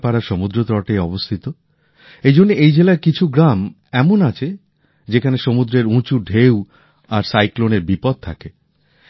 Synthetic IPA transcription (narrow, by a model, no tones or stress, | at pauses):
paɾaɾʃomud̪ɾot̪ɾɔʈejɔbost̪ʰit̪o | ejd͡ʑonːeʔejd͡ʑelaɾkit͡ɕʰuɡɾam | ɛmonat͡ɕʰe | d͡ʑekʰaneʃomud̪ɾeɾũt͡ɕuɖʱew | aɾsajkloneɾbipɔd̪̚t̪ʰa̰ke